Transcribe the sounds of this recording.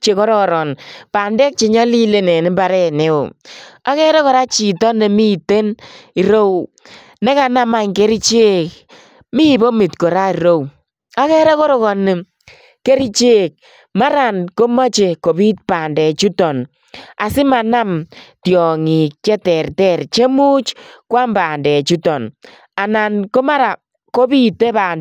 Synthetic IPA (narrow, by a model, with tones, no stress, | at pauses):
t͡ʃe˨kɔ˦ɾɔ˦ɾɔ˨npa˨ndɛ˦k̚t͡ʃe˨ɲɔ˦li˦le˦nɛ˨nɪ˦ba˨ɾɛ˦ne˦o˨a˦kɛ˦ɾɛ˦kɔ˨ɾa˦t͡ʃi˨tɔ˦ne˨mi˦˨te˦ni˨ɾo˦w | nɛ˦ka˨na˦ma˨ŋke˦ɾi˦t͡ʃe˦k | mi˦bo˦mi˨tkɔ˨ɾa˦i˨ɾo˦w | a˦kɛ˦ɾɛ˦ko˦ɾo˦kɔ˨nɪ˨ | ke˦ɾi˦t͡ʃe˦˨k̚ | ma˦ɾa˨nko˦ma˦t͡ʃe˨ko˨bi˦t̚paː˨ndɛ˨t͡ʃu˦tɔ˨n | a˨sɪ˦ma˨na˦mtjɔ˨ŋi˨k̚t͡ʃɛ˦tɛ˨rtɛ˦˨rt͡ʃe˦mu˦t͡ʃkwa˦mbaː˨ndɛ˨t͡ʃu˦tɔ˨n | a˨na˨nko˦ma˦ɾa˨ | ko˦bi˦te˦baː˨n